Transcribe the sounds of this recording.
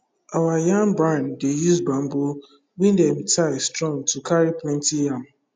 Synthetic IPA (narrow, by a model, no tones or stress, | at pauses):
awajãŋbɾãndejuzbɾãm̩bo | wĩndɛmtʰastɾɔ̃ŋtʰukʰaɾiplɛ̃ntijãŋ